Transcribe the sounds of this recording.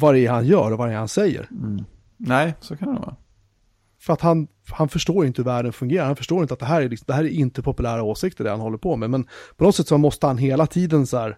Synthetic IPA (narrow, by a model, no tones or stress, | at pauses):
vaɾɛhanjœːɾɔvaɾɛɾhansɛjːə̰ɾ | nɛɪsokʰand̪ɛ̰vɑ̰ː | fœɾat̪han | hanfœʂʈoːɾjʏɪnt̪əhɵvæːɖənfɵŋɡeːɾaɾhanfœ̥ʂʈoːjɪnt̪at̪d̪ɛɦæːɾæɾlɪksɔmd̪ɛɦæːɾæɾɪnt̪əpʰɔpɵlæːɾaoːsɪk̚t̪əɖɛ̰hanhɔlːəɾpʰɔmɛmɛnpʰɔnɔd̪t̪sɛt̪ːsɔmɔst̪əhanɦeːlat̪ʰiːd̪ənsɔæːɾ